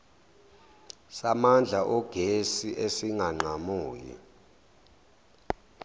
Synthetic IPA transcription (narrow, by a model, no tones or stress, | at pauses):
samand͡ɮʱaʔɔɡ̥ʱesiʔesiŋaŋ͡ǃʱamuːjḭ